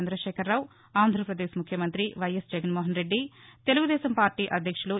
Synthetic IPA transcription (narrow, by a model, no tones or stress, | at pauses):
nd̪ɾɐʃɛːkɐɾːaːw | aːnd̪ʱɾɐpɾɐd̪eːʃmukʰjɐmɐnt̪ɾiʋɐjɐsd͡ʒɐɡɐnmoːɦɐnɾe̞ɖːit̪e̞luɡud̪ɛːsɐmpaːɾʈiːʔɐd̪ʱjɐkʂuluː